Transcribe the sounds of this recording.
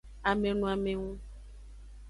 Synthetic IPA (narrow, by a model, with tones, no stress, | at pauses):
a˨me˨nũ˨a˨mẽ˨ŋũ˦